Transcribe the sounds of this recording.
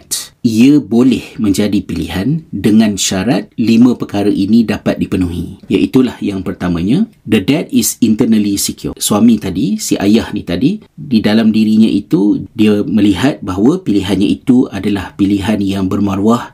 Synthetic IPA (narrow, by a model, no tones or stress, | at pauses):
t̪iəbolɛhmə̃ɲd͡ʒadipilḭɦandəŋãnʃaɾat̪̚limə̃pəkaɾaʔinĩdapat̪̚dipənũɦḭ̃ja̰ʔit̪ulahjaŋpərt̪amãɲãd̪ədɛt̪̚isint̪ərnəlisikiṵrswamĩt̪adisiʔa̰jahnit̪adididalamdiɾiɲã̰ʔit̪udiəmə̃liɦat̪̚baɦwəpiliɦanɲãit̪uadalahpiliɦanjaŋbərmaɾuah